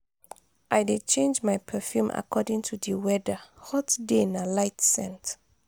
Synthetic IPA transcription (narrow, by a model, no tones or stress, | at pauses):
ʔajdet͡ʃẽnd͡ʒmajpʰəfjũmʔa̰kʰɔdĩŋtʰudiwɛdəhɔtdenalaɪtsɛ̰̃nt